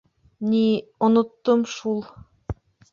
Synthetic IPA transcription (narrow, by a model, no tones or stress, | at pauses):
nʲionŏt̪ːomʃulˠ